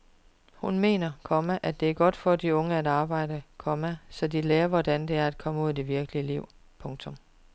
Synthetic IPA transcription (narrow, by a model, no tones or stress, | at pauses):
hunme̝̰ːnɐkʰɒmæʔæd̥e̝æɐɡ̥ɒ̽d̥fɒd̥iɔ̽ŋəæd̥ɑ̈ːb̥ɑ̈ɪ̰d̥əkʰɒ̽mæsɒ̽d̥ileːɐʋɒd̥ænd̥e̝æɐæd̥̚kʰɒ̽məuð̰ˠd̥e̝ʋiɐɡ̥əliəliʊ̰ | pʰɔ̽ŋt͡sʰɔ̽m